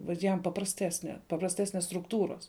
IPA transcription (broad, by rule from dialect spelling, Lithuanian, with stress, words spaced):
ʋɐt ˈjɛm pɐprɐsʲˈtʲæːsʲnʲɛ pɐprɐsʲˈtʲæːsʲnʲɛs strʊkˈtuːroːs